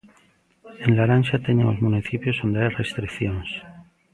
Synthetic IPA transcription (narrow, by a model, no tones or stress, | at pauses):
enlaɾanʃat̪eɲemozmuniθipjosond̪eajrest̪ɾikθjons